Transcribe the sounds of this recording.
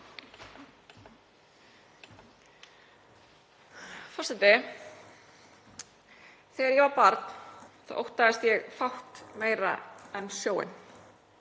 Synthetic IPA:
fɔsant̪ɪ | θɛːɣaɾjɛvaɾpaɾt̪nθa̰ðʔo̰wht̪aðɪst̪jɛɣfawht̪meːjɾa̰ɛnsjoːwɪ̰n

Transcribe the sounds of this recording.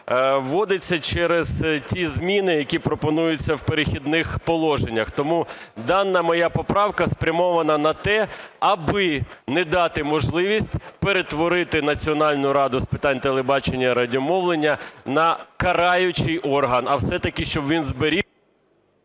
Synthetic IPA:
ʋɔd̪ɪt͡sʲːɐt͡ʃɛɾeztʲizmʲinɪjɐkʲipɾɔpɔnujʊt͡sʲːɐwpeɾexʲid̪nɪxpɔlˠɔʒenʲːɐxt̪ɔmu | d̪ɑnːɐmɔjapɔpɾɑwkɐspɾʲɐmɔʋɐnɐnɐt̪ɛɐbɪnɛd̪ɑt̪ɪmɔʒlˠɪʋʲisʲtʲpeɾet̪ʋɔɾɪt̪ɪnɐt͡sʲiɔnɑlʲnʊɾɑd̪ʊspɪt̪ɑnʲt̪elˠebɑt͡ʃenʲːɐɾɐdʲiɔmɔʋlˠenʲːɐnɐkɐɾɑjʊt͡ʃɪjʔɔrɦɐnɐwsɛt̪ɐkʲɪʃt͡ʃɔbʋʲinzbeɾʲi

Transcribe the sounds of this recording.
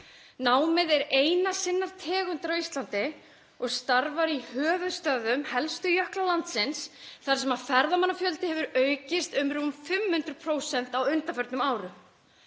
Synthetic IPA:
naːwmɪðɛɾejnasɪnːaɾ̥t̪ʰɛːɣʏnt̪aɾawist̪lant̪ɪ | ɔɣst̪aɾvaɾihœːvʏðst̪œðʏmhɛlst̪ʏjœhklalant̪sɪnsθaɾ̥sɛmaðfɛɾðamanːafjœlt̪ɪhɛvʏɾœːɥcɪst̪ʏmɾufɪmhʏnt̪ɾʏpʰɾoːwsɛn̥t̪awʏnt̪afœɾt̪nʏmaːwɾʏ

